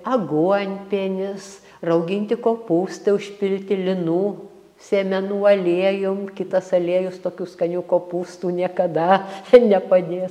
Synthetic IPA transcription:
ɐɡuɔnʲpʲeːnʲɪs | rɐʊɡʲɪnʲt̪ʲɪkoːpuːst̪ɐʊʃʲpʲɪlʲt̪ʲɪlʲɪnuː | sʲeːmʲɛnuːɐlʲeːjʊmkʲɪt̪ɐsɐlʲeːjʊst̪oːkʲuːskɐnʲuːkoːpuːst̪uːnʲiɛkɐd̪ɐnʲɛpɐd̪ʲeːs

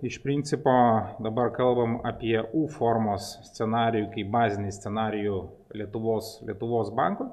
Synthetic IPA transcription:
ɪʃpʲɾʲɪnʲt̪sʲɪpoːd̪ɐbɐɾkɐlˠbɐmɐpʲiɛuːfoɾmoːssʲt̪sʲɛnɑːɾʲɪjukɐɪbɑːzʲɪnʲɪsʲt̪sʲɛnɑːɾʲɪju | lʲiɛt̪ʊʋoːslʲḭɛt̪ʊʋoːsbɑ̰ˑŋkoː

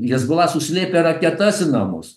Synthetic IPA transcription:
jɪsɡʊlˠɑːsʊsʲlʲeːpʲeɾɐkʲɛt̪ɐsʲɪnɑːmo̰s

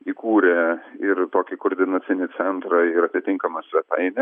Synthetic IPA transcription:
ikuːɾʲɛɪɾt̪oːkʲɪkoːɾʲd̪ʲɪnɐt̪sʲɪnʲɪt̪sʲɛnt̪ɾɐɪɾɐt̪ʲɪt̪ʲɪŋkɐmɐsʲʋʲɛt̪ɐ̰ɪnʲɛ

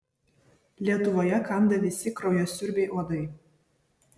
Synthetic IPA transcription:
lʲiɛt̪ʊʋoːjɛkɐˑnd̪ɐʋʲɪsʲɪkɾɐʊjoːsʲʊɾʲbʲɛɪʔoːd̪ɐɪ

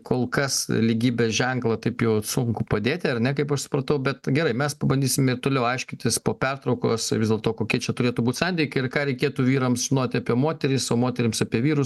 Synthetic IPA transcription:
koːlˠkɐslʲiɡʲiːbʲesʒʲɛŋklˠɐt̪ɐɪpjɛʊsʊŋkʊpɐd̪ʲeːt̪ʲɪɐɾnʲɛkɐɪpɐʃsʊ̥pɾɐt̪ɐʊbʲɛt̪ɡʲɛɾɐɪmʲɛspɐbɐnd̪ʲiːsʲɪmʲɛɪrt̪oːlʲɛʊɐɪʃʲkʲɪnʲt̪ʲɪspoːpʲɛrt̪ɾɐʊko̰ːsʋɪzd̪ʲɛlˠt̪oːkoːkʲiɛt͡ʃʲɛt̪ʊɾʲeːt̪ubuːt̪ʲsɐnʲd̪ʲɪɪkʲɐɪɾkɑːɾʲɛɪkʲeːt̪uːʋʲiːɾɐmʒʲɪnoːt̪ʲɪɐpʲiɛmoːt̪ʲɛɾʲɪsoːmoːt̪ʲɛɾʲɪmsɑpʲiɛʋʲiːɾʊs

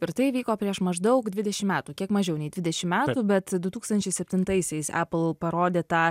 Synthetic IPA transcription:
ɪɾt̪ɐɪʋʲiːkoːpʲɾʲiɛʃmɐʒd̪ɐʊkd̪ʲʋʲɪd̪ʲɛʃʲɪmmʲæːt̪uːkʲiɛkmɐʒʲɛʊnʲɛɪd̪ʲʋʲɪd̪ʲɛʃʲɪmmʲæːt̪uːbʲɛt̪d̪ʊt̪uːkst̪ɐnʲt͡ʃʲɛɪsʲɛpʲt̪ʲɪnt̪ɐɪsʲɛɪsæ̰ːpl̩ˠpɐɾoːd̪ʲeːt̪ɑː

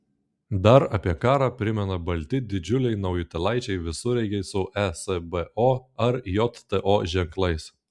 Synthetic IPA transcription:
d̪ɐɾɐpʲiɛkɑːɾɑːpʲɾʲɪmʲɛnɐbɐlʲt̪ʲɪd̪ʲɪd͡ʒʲʊlʲɛɪnɐʊjɪt̪ʲɛlˠɑˑɪt͡ʃʲɛɪʋʲɪsʊɾʲɛɪɡʲɛɪsʊʔɛsɛbɛʔoːɐɾjot̪t̪ɛʔoːʒʲɛŋklˠɐɪs

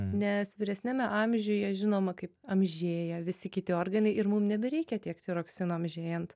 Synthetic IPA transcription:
nʲɛsʋʲɪɾʲɛsʲnʲæmʲɛʔɑːmʲʒʲʊːjɛʒʲɪnoːmɐkɐɪpɐmʲʒʲeːjɛʋʲɪsʲɪkʲɪt̪ʲɪoːrɡɐnɐɪɪɾmumnʲɛbʲɛɾʲɛɪkʲɛt̪ʲiɛkt̪ʲɪɾoːksʲɪnoːɐmʲʒʲeːjɛnt̪

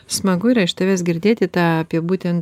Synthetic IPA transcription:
smɐɡʊɪɾɐɪʃt̪oːʋʲeːs̬ɡʲɪɾʲd̪ʲeːt̪ʲɪt̪ɑːɐpʲiɛbuːt̪ʲɛnt̪

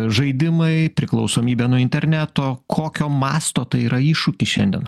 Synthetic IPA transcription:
ʒɐɪd̪ʲɪmɐɪpʲɾʲɪklˠɒʊsoːmʲiːbʲɛːnʊɪnʲt̪ʲɛɾʲnʲæt̪okʰoːkʲoːmɑːst̪oːt̪ɐɪiːɾɐiːʃʊkʲɪʃʲɛnd̪ʲɛ̰n

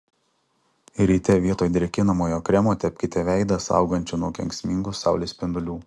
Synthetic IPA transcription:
ɾʲiːt̪ʲɛʋʲiɛt̪oːjd̪ʲɾʲɛkʲɪnɐmoːjoːkɾʲɛmoːt̪ʲɛpʲkʲɪt̪ʲɛʋʲæˑɪd̪ɐsɑ̰ˑʊɡɐnʲt͡ʃʲʊnuɔkʲɛŋʲkʲsʲmʲɪŋɡʊsɑˑʊlʲesʲpʲɪnd̪ʊlʲuː

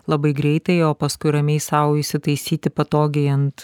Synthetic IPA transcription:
lˠɐbɐɪɡɾʲɛɪt̪ɐɪoːpɐskʊɪɾɐmʲeɪsɐʊiʃʲsʲɪt̪ɐɪsʲiːt̪ʲɪpɐt̪oːɡʲɛɪɐnt̪

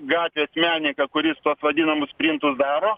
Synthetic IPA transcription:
ɡɑːt̪ʲʋʲeːsmʲæːnʲɪkɐkʊɾʲɪst̪uɔsʋɐd̪ʲinɐmʊssʲpʲɾʲɪnt̪ʊsd̪ɑːɾoː

